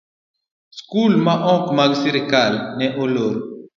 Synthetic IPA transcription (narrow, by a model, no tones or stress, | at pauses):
skulmaʔɔ̃kmaɡsiɾekalnɛʔoloɾ